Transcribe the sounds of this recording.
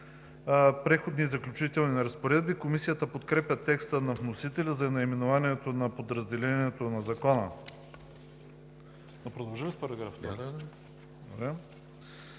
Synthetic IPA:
pɾɛxod̪nizɐklʲut͡ʃit̪ɛlˠninɐɾɐspoɾɛd̪̚bikomisijət̪əpot̪kɾɛpʲjət̪ɛkst̪ənɐvnosit̪ɛlʲɐzɐɛnɐimɛnovaniɛt̪onɐpod̪ɾɐzd̪ɛlɛniɛt̪onɐzɐkɔnə | nopɾod̪ɐlˠʒalispəɾɐɡɾafad̪a | d̪obɾɛ

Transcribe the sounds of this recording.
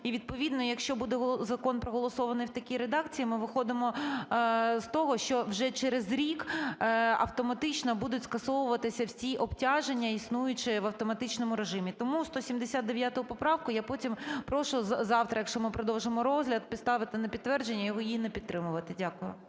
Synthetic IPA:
iʋʲid̪̚pɔʋʲid̪nɔjɐkʃt͡ʃɔbud̪ɛɦɔzɐkɔnpɾɔɦɔlˠɔsɔʋɐnɪjwt̪ɐkʲiɾed̪ɑkt͡sʲijimɪʋɪxɔd̪ɪmɔ | z̥t̪ɔɦɔʃt͡ʃɔwʒɛt͡ʃɛɾezɾʲik | ɐ̰wt̪ɔmɐt̪ɪt͡ʃnɐbud̪ʊtʲskɐsɔʋʊʋɐt̪ɪsʲɐwsʲiʔɔbtʲɑʒenʲːɐisnujʊt͡ʃɪʋɐwt̪ɔmɐt̪ɪt͡ʃnɔmʊɾeʒɪmʲit̪ɔmust̪ɔsʲimd̪esʲad̪̚d̪eʋʲjat̪ɔɦʊpɔpɾɑwkʊjapɔtʲimpɾɔʃʊzɑwt̪ɾɐjɐkʃt͡ʃɔmɪpɾɔd̪ɔwʒemɔɾɔzʲɦlʲɐdt̪̚pʲɪt̪st̪ɑʋɪt̪ɪnɐpʲid̪t̪ːʋɛrd͡ʒenʲːɐjɔɦɔjinɛpʲidt̪t̪ːɾɪmʊʋɐt̪ɪdʲakʊjʊ̰

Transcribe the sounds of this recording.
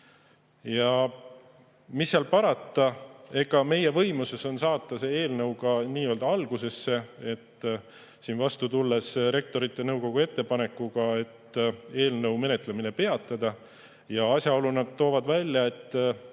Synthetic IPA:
jɑ | misːeɑlpɑɾɑt̪ːˑɑe̞ɡɑme̞je̞vɤ̞jmuse̞so̞nsɑːt̪ːˑɑse̞e̞ːlnɤwɡ̥ɑniːø̞ːld̪̥ɑɑlɡ̥use̞sːe̞e̞t̪ː | siːnvɑst̪ut̪ulːe̞sɾe̞k̚t̪o̞ɾit̪ːˑe̞nɤwko̞ɡ̥ue̞t̪ːe̞pɑne̞kːuɡ̥ɑe̞t̪ːe̞ːlnɤwme̞net̪ˑle̞mine̞pe̞ɑt̪ːˑɑd̪̥ɑ | jɑɑsʲjɑo̞lunɑd̪̥̚t̪ːoːvɑd̪vælʲːjɑe̞t̪ː

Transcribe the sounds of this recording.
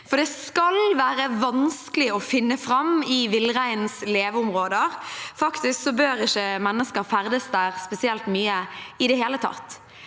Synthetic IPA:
fɔd̪ɛskɑlʋæːɾəʋɑnskəlɪɔfɪnːəfɾɑmɪʋɪlːʁæɪnsleːʋʊmʁoːd̪əʁfɑkt̪ɪsksɔbøːɾɪçəmɛnːəskəɾfæɾd̪əsd̪æʁspɛsɪɛlt̪myːəɪd̪ɛɦeːlət̪ʰɑ̰t̪ː

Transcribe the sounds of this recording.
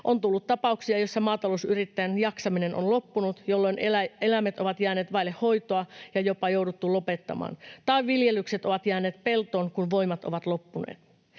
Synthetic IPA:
ʔo̞nt̪ulːut̪t̪ɑpɑuksiɑjo̞sːɑmɑːt̪ɑlousyɾit̪ːæjænjɑksɑmine̞nʔo̰nlo̞pːunut̪jo̞lːo̞inelæmet̪o̞ʋɑt̪jæːne̞ːt̪ʋɑilehːo̞jt̪oɑjɑjo̞pɑjowdut̪ːulo̞pe̞t̪ːɑ̰mɑ̰ːnt̪ɑiʋʋilje̞lːˑykset̪o̞ʋɑt̪jæːneːt̪pe̞lt̪o̞ːŋkunʋo̞imɑt̪o̞̰ʋɑt̪lo̞pːunḛːt̪

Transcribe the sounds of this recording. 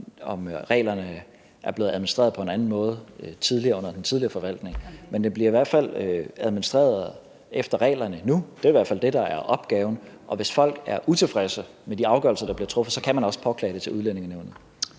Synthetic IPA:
ɒ̽mʁɛ̰ːlɐnə | ʔæɐb̥le̝ːð̩ˠæðˠmonisd̥ʁɛ̰ːɐðˠpʰɒ̽e̝nænn̩mɔ̽ːð̞̩ˠt͡sʰið̞ˠliɐːɔ̽n̰ɐd̥ent͡sʰið̞ˠliɐfɒ̽ʋæl̰d̥ne̝ŋmend̥enb̥liɐiʋæɐ̰d̥fæl̰øæð̞ˠminisd̥ʁɛ̰ːɐðˠ | ʔefd̥ɐʁɛ̰ːlɐnənud̥e̝ɐiʋæɐ̥fæl̰d̥e̝d̥ɑ̈æɐʔɒ̽b̥ɡ̥ɛːʊn̩ʔɒ̽ʋe̝sfɒ̽l̰ɡ̥æɐʔut͡sʰe̝fʁɛsə | med̥iɑ̈ʊɡ̥ɶɐlsɐd̥ɑ̈b̥liɐt͡sʰʁɔ̽f̩sɒ̽kʰæmænɒ̽sə̥pʰɒ̽kʰlɛ̰ːd̥e̝t͡sʰe̝luðˠlene̝ŋɐneʊnð̩ˠ

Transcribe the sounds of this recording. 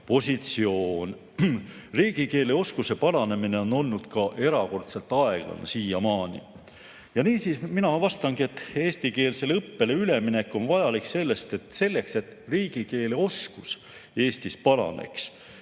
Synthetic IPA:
po̞sʲit̪sio̞ːn | riːɡ̥ike̞ːleo̞skuse̞pɑlɑne̞mine̞o̞no̞lnːud̪̥kɑʔe̞ɾɑko̞rt̪se̞lt̪ːˑɑe̞ɡ̥lɑ̰nḛsiːjɑmɑːnḭ | jɑniːsisminɑvɑst̪ɑŋɡ̥ie̞t̪ːe̞ːst̪ike̞ːlse̞lɤpːe̞le̞yle̞mine̞kːˑo̞nvɑjɑlikse̞lːe̞st̪e̞t̪ːˑse̞lːe̞kse̞t̪riːɡ̥ike̞ːleo̞skus | e̞ːst̪ispɑlɑ̰ne̞̰ks

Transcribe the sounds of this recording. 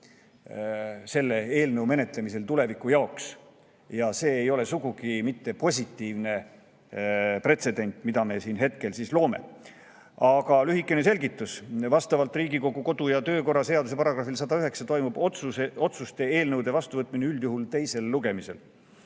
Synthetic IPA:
se̞lːe̞e̞ːlnəwme̞ne̞t̪le̞mise̞lt̪ule̞vikːˑujɑoks | jɑse̞ːjo̞le̞suɡ̥uɡ̥imit̪ːe̞po̞sʲit̪ːiːvne̞ | pre̞t̪se̞d̪e̞nʲt̪ˑmid̪̥ɑme̞siːnɦe̞t̪ke̞lsislo̞ːme̞̰ | ɑɡɑlyɦikːˑe̞ne̞se̞lʲɡit̪ːˑusvɑst̪ɑvɑlt̪ːˑriːɡiko̞ɡ̥uko̞d̪̥ujɑt̪øːko̞rːɑse̞ɑd̪use̞pɑɾɑɡ̥rɑfːilsɑd̪ɑyɦe̞ksɑt̪o̞jmub̥ot̪sueo̞t̪sust̪e̞eːlnɤwd̪e̞vɑst̪uvɤt̪ːˑmineyld̪juɦult̪e̞jse̞lːuɡ̥e̞mise̞l

